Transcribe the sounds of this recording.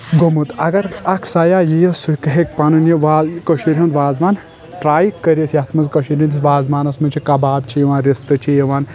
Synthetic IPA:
ɡomut̪ɐɡɐɾɐkʰsɐjaːjijɐsukɐɦek̚panunjiʋaːzkɐʃiɾʲɐ̃nt̪ʰʋaːzmaːn | ʈɾaːjkːɐɾʲet̪ʰiɐt̪ʰmɐzkɐʃiɾʲint̪ʰiʋaːzmaːnɐsmɐt͡ʃʰikɐbaːb̚t͡ʃʰijiʋaːnɾʲist̪ɨt͡ʃʰijiʋaːn

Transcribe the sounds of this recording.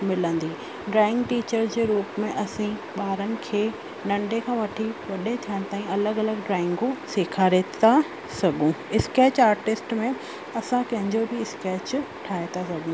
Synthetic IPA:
mɪlə̃nd̪iː | ɖɾaːɪ̃ŋɡʈiːt͡ɕəɾzd͡ʑeːɾuːpmẽʔɐsĩɓaːɾənɪ̆kʰeː | nɐ̃ɳɖekʰãːʋɐʈʰiʋɐɗet̪ʰijəɽ̃t̪aːĩɐləɡɐləɡɖɾaːɪ̃ŋɡũseːkʰaːɾet̪a | sɐɠʱũɪskɛːt͡ɕaːɾʈɪsʈmẽ | ɐsãkɐ̃ɦɪ̃ɲd͡ʑobɪɪskeːt͡ɕʈʰaːet̪asɐɡʱũ

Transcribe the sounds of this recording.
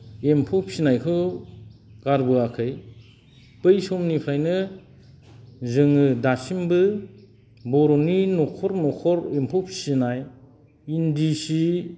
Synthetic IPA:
empʰopʰsinajkʰɯw | ɡ̥aɾbɯakʰɯj | pɯjsɔmnipʰɾajnɯ | zɯŋɯdasimbɯ | bɔɾɔninɔkʰɔɾnɔkʰɔɾempʰɔpʰsinaj | indisi

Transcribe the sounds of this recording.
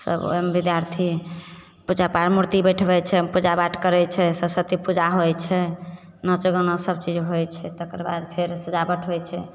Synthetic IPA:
sə̰bo̰mbid̪jaɾt̪ʰi | pud͡ʒapaɾmuɾt̪ibɛʈʰbɛt͡ʃʰɛpud͡ʒabaʈʰkəɾɛt͡ʃʰɛsəbsət̪ipud͡ʒaɦojt͡ʃʰɛ | nət͡ʃəɡənɔsəbt͡ʃid͡ʒɦojt͡ʃʰɛt̪ekəɾba̰d̪pʰeɾsəd͡ʒabəʈʰɦojt͡ʃʰɛ

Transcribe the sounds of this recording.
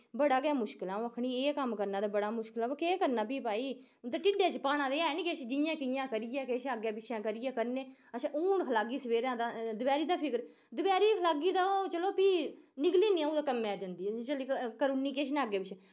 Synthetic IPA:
bəɽaːɡɛaːmʊʃkɪlãːəkʰɽiːeːkəmkəɾnãːd̪aːbəɽaːmʊʃkɪlaːbakeːkəɾnaːpiːpaːiː | t̪aːʈɪɖaːt͡ʃpaːnãːd̪eaːniːket͡ʃd͡ʒɪjãːkɪjãːkəɾɪjãːkeːʃaːɡjeːpɪʃʰãːkəɾɪːjãːkəɾneː | ət͡ʃʰãʔuːnkʰəlaːɡiːsəʋeːɾãːd̪aːd̪ʊbɛːɾiːd̪aːpʰɪkəɾ | d̪ʊbɛːɾiːkʰəlaːɡiːd̪aːoːt͡ʃəloːpiː | nɪkliːnĩːãːoːd̪aːkəmːɛːd͡ʒə̃nd̪iːt͡ʃəlekəɾuːnːiːkeːʃ̬naːɡeːpɪt͡ʃʰɛ̃ː

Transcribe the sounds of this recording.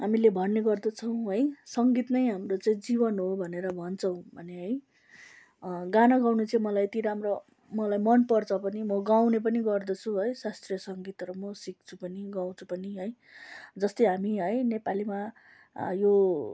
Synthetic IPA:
ɦamilebʱʌnːeɡʌrd̪ʌt͡sʰʌw̃ɦʌjsʌŋɡit̪nʌjɦamrot͡saĩd͡zibʌnɦobʱʌneɾʌbʱʌnt͡sʰʌw̃bʱʌneɦʌj | ɡanʌɡãwnut͡saĩmʌlajet̪iɾamro | mʌlajmʌnpʌrt͡sʰʌpʌnimʌɡawnep̬ʌniɡʌrd̪ʌt͡sʰuɦʌjsast̪rijʌsʌŋɡit̪ɾʌmʌsik̚t͡sʰupʌniɡaw̃t͡sʰu̥pʌniɦʌj | d͡zʌst̪ʌjɦamiɦʌjnepalima | jo

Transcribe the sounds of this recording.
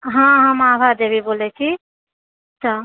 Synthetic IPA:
ɦãɦãmaːbʱaɾd̪ebibolet͡ʃʰi | ət͡ʃʰa

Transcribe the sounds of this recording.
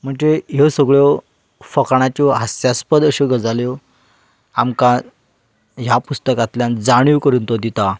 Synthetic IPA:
m̤əɳd͡ʑeɦesəɡɭjɔ | fəkɳ̃at͡ɕɔɦasjaspəd̪əɕeɡəd͡zaljɔ | amkã | ɦjapust̪əkat̪ljãnd͡zaɽ̃iʋkəɾuːnt̪od̪it̪a

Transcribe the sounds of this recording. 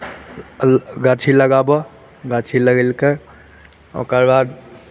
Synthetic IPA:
ɡat͡ʃʰiləɡabɔ | ɡat͡ʃʰiləɡelke | o̰kəɾbad̪

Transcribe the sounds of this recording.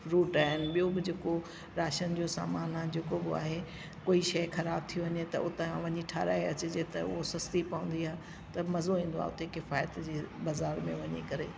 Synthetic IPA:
ɾuːʈaːɦɪnɪ̆ɓijobɪd͡ʑeːko | ɾaːʃənɪd͡ʑoːsa̰ːmaːnad͡ʑeːkobɪa̰ːɦe | koːiʃɐjxɐɾaːb̚t̪ʰijoʋɐɲet̪ɐ̰ʊt̪ẽʋɐɲiʈʰaːɾaːeɐt͡ɕed͡ʑet̪ɐʊ̰ɦosɐst̪ipɐʋʊ̃nd̪iaː | t̪ɐmɐzoɦĩːn̆d̪oa̰ːʊt̪ekɪfaːjət̪d͡ʑiːbaːzaːɾmẽʋɐɲḛkɐɾeː

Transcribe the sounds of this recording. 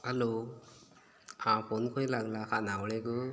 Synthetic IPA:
alo | ãpʰɔnkʰɔjlaɡlakʰanawɭeɡɯ

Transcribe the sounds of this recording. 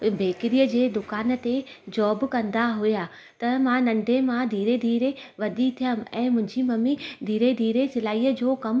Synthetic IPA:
beːkɪɾijəd͡ʑeːd̪ʊkaːn̆t̪ed͡ʑɔːbkɐ̃nd̪aɦʊja | t̪ɐmãnɐ̃ɳɖʱemãd̪ʱiːɾed̪ʱiːɾeʋɐɗit̪ʰijəm̆ɛ̃ːmʊ̃ɦɪ̃ɲd͡ʑimɐmid̪ʱiːɾed̪ʱiːɾesɪlaːiːəd͡ʑoːkɐm

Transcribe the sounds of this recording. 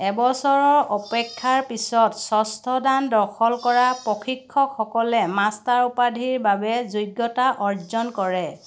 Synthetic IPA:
ɛbɔsɔɹɔɹɔpɛkʰːaɹpisɔtsɔstʰɔdandɔkʰɔlkɔɹapɔxʰikʰːɔkxɔkɔlɛmastaɹupadʱiɹbabɛzojɡːɔtaʔɔɹzɔnkɔɹɛ

